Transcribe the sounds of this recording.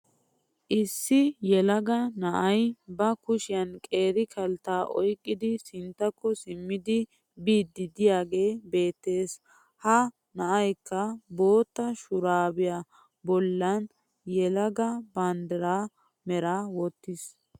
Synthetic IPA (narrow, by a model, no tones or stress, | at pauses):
ʔɪsːɪjɛlɐɡɐnɐʔɐjbɐkʊʃɪjɐnkʼe̞ːɾɪkʰɐlt̪aːʔɔjkʼːɪd̪ɪsɪnt̪ːɐkːɔsɪmːɪd̪ɪ | biːd̪ːɪd̪ɪjaːɡe̞ːbe̞ːt̪ːe̞ːs | hɐ | nɐʔɐjkːɐbo̞ːt̪ːɐʃʊɾaːbɪja | bɔlːɐn | jɛlɐɡɐbaːnd̪ɛɾaː | mɛɾaːwɔt̪ːɪs